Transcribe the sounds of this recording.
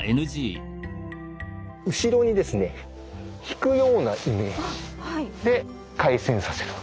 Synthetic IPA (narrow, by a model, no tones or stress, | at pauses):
enɯ̟ʑiː | ɯ̟ɕiɾo̞ɲ̟id̪e̞sɨne̞ | çi̥kɯ̟jo̞ːnaʔime | d̪e̞ | kaisẽɰ̃sase̞ɾɯ̟̥